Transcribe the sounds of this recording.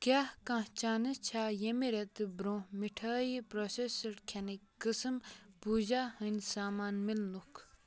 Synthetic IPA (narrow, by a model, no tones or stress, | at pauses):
kahkãht͡ɕanət͡ɕʰajəmeɾet̪bɾõmiʈʰaiprosesərkʰanikːəsəmpuʑahənsamanmilnok